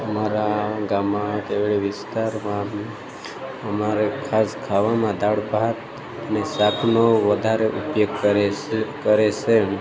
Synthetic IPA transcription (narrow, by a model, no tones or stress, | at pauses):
əmaɾaɡamakeʋɭeʋɪst̪aɾmã | əmaɾekʰaskʰaʋamãd̪aɽbaɦət̪ | ənesakʰnoʋəd̪ʱaɾeʔupjoɡ | kəɾet͡ʃʰe